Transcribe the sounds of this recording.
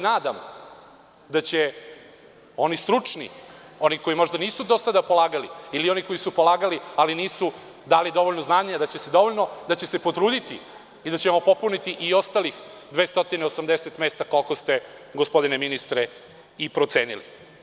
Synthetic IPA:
naːd̪am | d̪at͡ɕe | o̞nist̪ɾut͡ʂnḭ | o̞niko̞jimo̞ʒd̪aniːsud̪osad̪apo̞lˠaːɡaliilio̞niko̞jisupo̞laːɡalialiniːsu | d̪aːlid̪o̞ʋoʎnoznaːɲad̪at͡ɕe̞se̞d̪o̞ʋoʎʲno̞d̪at͡ɕe̞se̞po̞t̪ɾuːd̪it̪i | id̪at͡ɕemopo̞punit̪iʔio̞st̪alixd̪ʋe̞ːst̪o̞t̪ineo̞samd̪e̞set̪me̞ːst̪ako̞lko̞st̪e̞ɡospo̞d̪ineminist̪ɾe | ipɾo̞t̪se̞ːnilḭ

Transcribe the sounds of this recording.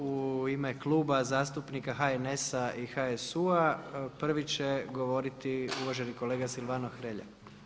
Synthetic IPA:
uimeklˠuːbazaːst̪upnikaxaene̞saixaesuapr̩ʋit͡ɕeɡo̞ʋo̞ɾit̪iuʋaʒeniko̞le̞ːɡasilˠʋanoxɾeʎa̰

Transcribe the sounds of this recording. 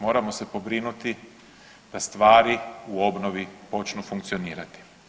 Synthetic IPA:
mo̞ːɾamo̞se̞po̞bɾinut̪i | d̪̥ast̪ʋaːɾiuo̞bno̞ʋipo̞t͡ʃnufuŋk̚t̪sio̞niːɾat̪i̥

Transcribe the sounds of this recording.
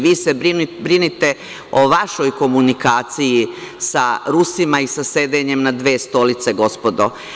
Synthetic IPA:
ʋiːsebɾinbɾinit̪e | o̞ʋaʃo̞jko̞munikaːt̪siji | saɾusimaisase̞d̪eɲe̞mnad̪ʋeːst̪o̞lit̪se̞ɡo̞spo̞d̪o̞̰

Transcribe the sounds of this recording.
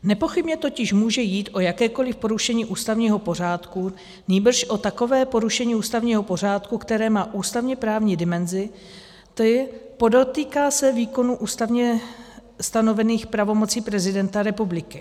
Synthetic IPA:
nɛpo̞xɪbɲɛt̪o̞cɪʃmuːʒɛjiːt̪ʔo̞jakɛːko̞lɪfpo̞ɾuʃɛɲiːʔuːst̪avɲiːɦo̞po̞r̝aːt̪ku | ɲiːbr̩ʃʔo̞t̪ako̞vɛːpo̞ɾuʃɛɲiːʔuːst̪avɲiːɦo̞po̞r̝aːt̪kukt̪ɛɾɛːmaːʔuːst̪avɲɛpɾaːvɲiːdɪmɛnzɪ | t̪opo̞dot̪iːkaːsɛviːko̞nuːʔuːst̪avɲɛ | st̪ano̞vɛniːxpɾavo̞mo̞t͡siːpɾɛzɪdɛnt̪aɾɛpublɪkɪ

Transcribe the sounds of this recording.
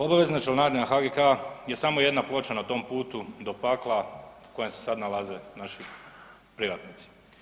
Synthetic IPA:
o̞baʋe̞znat͡ʃelnaːd̪nenaxaɡekaje̞samo̞je̞d̪naplo̞t͡ʃanat̪o̞ːmpuːt̪ud̪opaklˠako̞jemse̥sad̪nalˠaze̞naʃi | pɾiʋat̪nit̪si̥

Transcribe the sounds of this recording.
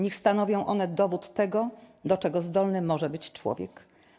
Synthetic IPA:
ɲixst̪anɔvʲjɔ̃w̃ʔɔn̪ɛd̪ɔvut̪ːɛɡɔd̪ɔt͡ʂɛɡɔzd̪ɔlnɘmɔʐɛbɘt͡ɕt͡ʂwɔ̰vʲjɛ̰k

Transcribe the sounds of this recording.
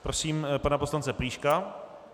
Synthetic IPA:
pɾosiːmpanaposlant͡sɛpliːʃka

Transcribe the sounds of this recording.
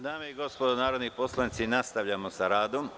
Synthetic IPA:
d̪aːmeiɡo̞spod̪onaːɾod̪nipo̞slˠanit̪sinast̪aʋʎamo̞saɾaːd̪o̞m

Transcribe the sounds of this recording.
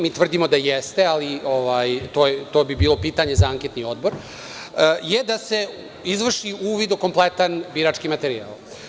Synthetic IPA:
miːt̪ʋr̩d̪imo̞d̪ajest̪e̞alioʋajt̪oːjet̪oːbibiːlo̞piːt̪aɲe̞zaaŋkʲet̪nio̞d̪̚bo̞ɾ | əjed̪ase̞ | izʋr̩ʃiuːʋid̪uko̞mplˠet̪anbiɾat͡ʃkimat̪eɾia̰ːlˠ

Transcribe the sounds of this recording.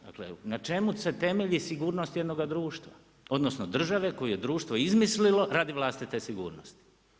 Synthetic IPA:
d̪a̰klḛnat͡ʃe̞muse̞t̪e̞meʎisiɡuːɾnost̪jed̪no̞ɡad̪ɾuːʃt̪ʋa̰ | o̞d̪no̞sno̞d̪r̩ʒaʋe̞ko̞jujed̪ɾuːʃt̪ʋo̞izmislilo̞ɾaːd̪iʋlˠaːst̪it̪esiɡṵːɾnost̪i̥

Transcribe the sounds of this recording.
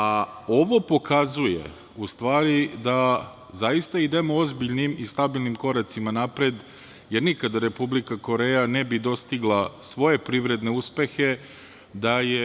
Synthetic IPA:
ao̞ʋo̞po̞kazujḛ | ust̪ʋaːɾid̪a | zajist̪aid̪e̞moozbiʎnimist̪abilˠnimko̞ɾat̪simanapɾe̞d̪ | jeɾnikad̪aɾe̞publikako̞ɾeːjanebid̪o̞st̪iɡlˠasʋo̞je̞pɾiʋɾe̞d̪ne̞uspe̞xe̞ | d̪aje

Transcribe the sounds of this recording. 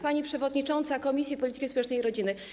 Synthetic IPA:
paɲipʂɛvɔd̪ɲit͡ʂɔnt̪sakɔmʲisʲjipɔlʲit̪ɘkʲispwɛt͡ʂnɛjiɾɔd͡ʑinɘ

